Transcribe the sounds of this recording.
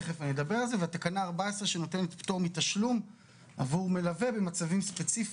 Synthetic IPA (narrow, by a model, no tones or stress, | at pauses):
χefanied̪abe̞ʁalzeveat̪akanaːʁbaesʁeʃeno̞t̪e̞net̪pt̪omit̪aʃlum | a̰vuʁme̞lave̞be̞mat͡savimspe̞t͡sif